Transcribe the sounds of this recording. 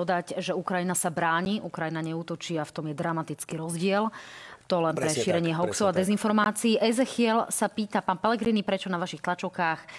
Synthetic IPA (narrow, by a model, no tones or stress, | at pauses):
ɔd̪acʒɛukɾajinasabɾaːɲiʔukɾajinaɲɛuːt̪ɔt͡ʃiaft̪ɔmjɛd̪ɾamat̪it͡skiːɾɔzɟɪɛlt̪ɔlɛnpɾɛʃiɾɛɲɪɛɦɔksɔʊad̪ɛzinfɔɾmaːt͡siːʔɛzɛxɪɛlsapiːt̪apaːnpɛlɛɡɾiːnipɾɛt͡ʃɔnaʋaʃixt̪lat͡ʃɔʊkaːx